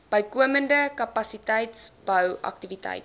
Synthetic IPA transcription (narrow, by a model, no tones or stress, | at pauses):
b̥əjkuəməndəkɐpɐsitəjtsb̥əwʔɐ̰k̚tivitɐ̰jt